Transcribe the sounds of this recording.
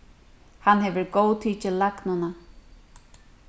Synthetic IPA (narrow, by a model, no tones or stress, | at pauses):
hanhɛvəɹɡoːwt̪ʰiːt͡ʃɪlaɡnʊna